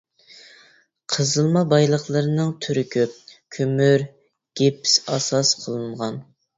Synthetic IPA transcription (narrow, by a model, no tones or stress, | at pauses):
qʰəzɨlˠmɑbɑjlˠəχlˠəɾɨnɨŋt̪ʰyɾykʲʰyp̚kʲʰymyɾ | ɡ̥ʲepʰɪ̥sɑsɑsqʰəlˠɨnʁɑn